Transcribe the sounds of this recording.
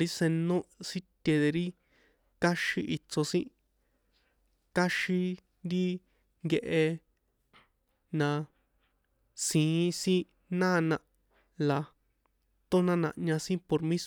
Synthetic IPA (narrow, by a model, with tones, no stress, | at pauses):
ɾi˦sẽ˧nõ˦si˦t̪ʲe˧ðe˧ɾi˦ | ka˦ʃi˧ʔi˧t͡so˧sĩ˦ʔ | ka˦ʃi˧ | nd̪i˦ | ŋɡe˧ʔe˧ | nã˧ | sĩ˨˦sĩ˦ | nãː˦˧nã˧ʔ | la˨ | t̪o˦nã˦nã̰˧ʔɲã˧sĩ˦po˧ɾmĩ˦s